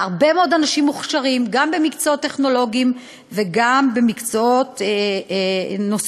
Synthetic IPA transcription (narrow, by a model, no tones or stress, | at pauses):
aʁbe̞meo̞d̪anaʃimːuχʃaʁimɡambe̞mikt͡soot̪ːe̞χno̞lo̞ɡim | veɡambe̞mikt͡soo̞t̪ | nos